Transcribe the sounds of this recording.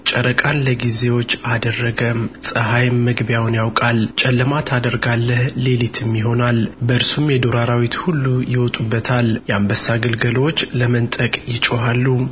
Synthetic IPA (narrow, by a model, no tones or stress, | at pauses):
t͡ʃʼəɾəkʼanləɡize̞wo̞t͡ʃːad̪ərːəɡəmsʼəɦajmːəɡbjawnjawkʼalt͡ʃʼɛlːəmat̪ʰad̪əɾɡalːəhle̞lit̪ʰɨmjɪɦo̞nalbəɨɾsumjɛd̪oɾaɾawit̪hulːujɪwɔt̪ʼubːət̪ʰaljɛambəsaɡɨlɡəlwot͡ʃːləmənt̪ʼəkʼjɪt͡ʃʼoɦalːu